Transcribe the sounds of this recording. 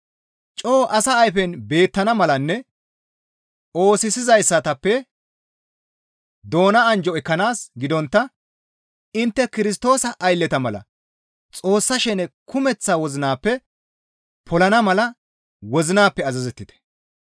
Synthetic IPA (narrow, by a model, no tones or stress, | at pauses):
t͡ʃʼoːʔɐsɐːjfɛnbe̞ːt̪ːɐnɐmɐlɐnːɛ | o̞ːsɪsɪzɐjsːɐt̪ɐpːɛ | d̪o̞ːnɐɐnd͡ʒɔɛkːɐnaːsɡɪd̪ɔnt̪ːɐ | ɪnt̪ːɛkɪɾɪs̬t̪o̞ːsɐʔːjlːɛt̪ɐmɐlɐ̰ | t͡sʼo̞ːsːɐʃɛnɛkʰʊmɛt͡sːaːwɔzɪnaːpːɛ | pʰɔlɐnɐmɐlɐ | wɔzɪnaːpːɛɐzɐzɛt̪ːɪt̪ɛ̥